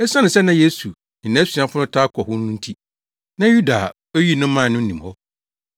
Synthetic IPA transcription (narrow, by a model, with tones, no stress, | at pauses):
ɛ˦sã˦nɪ̃˨sɛ˦nã˦je˦su˨ | nɪ̃˨nã˦si˨ã˦fʊ˦nʊ̃˦tʰaː˦kʰɔ˨hʊ˦nʊ̃˦n̩˦tʰi˦ | nã˦ju˦da˨ | o˦ji˦nʊ̃˦mã˦˨nʊ̃˦n̩˦nĩ˨hɔ˦